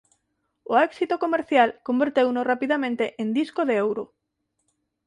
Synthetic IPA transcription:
oɛksit̪okomeɾθjalkombeɾt̪ewnorapiðamẽnt̪eʔẽnd̪iskoðeewɾo

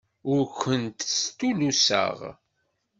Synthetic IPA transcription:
ʊɾkʷənt̪st̪ulusə̰ʁ

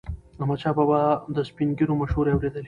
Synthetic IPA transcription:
ɐmat͡ʃababad̪əspinɡiɾomɐʃhuɾeawɾed̪əli

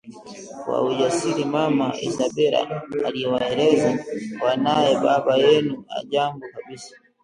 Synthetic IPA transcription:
kwa̰uʄasiɾimamaḭzaɓɛɾa̰ːliɛwaɛɾɛzawanajɛɓaɓajɛnua̰ʄaŋɡukaɓisḁ

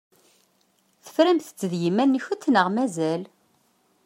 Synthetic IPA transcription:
θə̥fɾæmθə̥t͡sːəðjimːænːiçut͡sːnəʁmæzæl

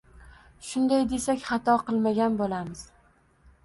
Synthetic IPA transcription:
ʃʊnd̪ajd̪e̞sakʲχɑt̪ʰɒqɨlˠmaɡʲanbolˠamɪz̥

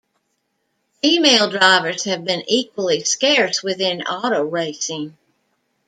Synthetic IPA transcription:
fimeɪlˠdɹaɪvə˞z̥ɨvbɨ̃nʔikwəlˠiskɛɹs̚wɨðɪ̃nɑɾoʊɹeɪsɪ̃ŋ

